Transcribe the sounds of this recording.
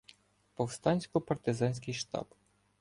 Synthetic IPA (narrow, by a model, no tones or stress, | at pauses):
pɔwst̪ɑnʲsʲkɔpɐrt̪ɪzɑnʲsʲkɪjʃt̪ɑ̰b